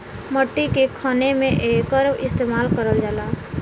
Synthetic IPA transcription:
məʈːikekʰaːnemẽʔeːkəɾʋɪst̪eːmaːlkəɾəld͡ʒaːlaː

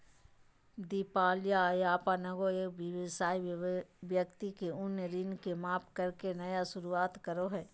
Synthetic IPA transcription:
d̪iːpaːljajaːpanɐɡoeːkbɪʋɪsaːiʋjəkt̪ikeʊnjɾɪnkemaːpkəɾkenɐjaʃʊɾuaːt̪kəɾoɦɛː

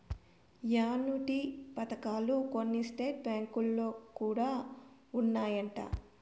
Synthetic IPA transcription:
jaːnuʈipɐt̪ɐkaːluko̞nːisʈeːʈ̚bjaːŋkulːo̞ːkuːɽaːunːaːjɐɳʈa̰ː

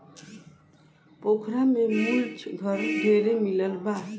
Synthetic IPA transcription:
pokʰɾamemult͡ʃʰɡʱʌɾd̪ʱeɾemilʌlba

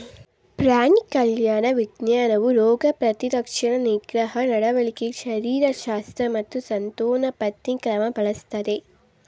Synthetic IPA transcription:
pɾaːɳikɐljaːnɐʋiɡnjaːnɐʋuɾoːɡɐpɾɐt̪iɾɐkʂɐɳɐniɡɾɐɦɐnɐɽɐʋɐɭikiʃɐɾiːɾɐʃaːst̪ɾɐmɐt̪ːusɐnt̪oːnɐpɐt̪nikɾɐmɐpɐɭɐst̪ɐd̪e

